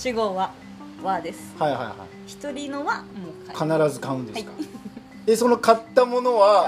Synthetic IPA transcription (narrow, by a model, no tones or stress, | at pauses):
ɕiɡoβa | βad̪e̞sɨ̥haiɦa̰iha̰i | çi̥t̪o̞ɾʲinoβamokakʰanaɾazɨkãɯ̃nd̪e̞̥ka | eso̞no̞kat̪ːamo̞no̞βa